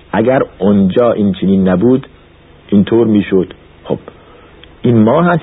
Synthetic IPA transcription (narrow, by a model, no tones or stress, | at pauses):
ʔæɡæɾond͡ʒɒːʔint͡ʃʰeniːnːæbuːd̪ | ʔint̪ʰoːɾmiːʃod̪̥ | xo̰b̥ | ʔinmɒːɦæs